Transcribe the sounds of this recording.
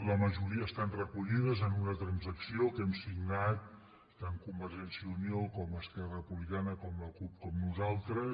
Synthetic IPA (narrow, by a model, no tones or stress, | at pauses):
ləməʒuɾiəːst̪anrəkuʎið̞əzənunət̪ɾənzəksiokɛmsiɡnat̪̚ | t̪ːaŋkumbəɾʒɛnsiəuniokɔməskɛrəpuβlikanəkɔmləkup̚kɔmnuzalˠt̪ɾə